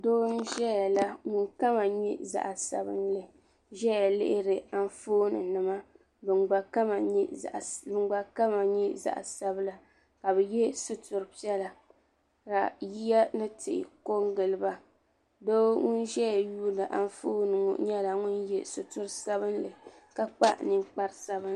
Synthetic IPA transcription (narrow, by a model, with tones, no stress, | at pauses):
doː˦n˦ʒɛ˦ja˨la˦ŋʊ˦˨nka˦ma˨ɲɛ̰˦za̰˦ʔa˨sa̰˨bɨ̰˦nlɨ˨ | ʒɛ˦ja˨lɪ̰˦ʔɪ˦ɾɨ˨a˦n˦foː˦nɨ̰˨nɨ˨ma˦ | bɨ˨nɡ͡ba˨ka˦ma˨ɲɛ˦˨ʔbɨ˨nɡ͡ba˨ka˦ma˨ɲɛ˦za̰˦˨ʔa̰˨sa˦bɨ˦la˦ | ka˨bɛ˨jɛ˦sʊ˦tʊ˨ɾɨ˨pi˦ɛ˦la˨ | ka˨ji˦ja˦nɨ˦tʰɪ˨ʔɪ̰˨ko˦ŋɡɨ˨lɨ˨˦ba˨ | do˦ŋʊ˦nʒɛ˦ja˨juː˦nɨ˨ʔa˦n˦foː˦nɨ˨ŋo̰˨ɲɛ˦la˨ŋʊ˦njɛ˦sʊ˨tʊ˦ɾsa˦βɨ˦nlɨ˨ | ka˦k͡pa̰˦ʔnɨ˦mk͡pa˦ɾsa˦bɨ˦n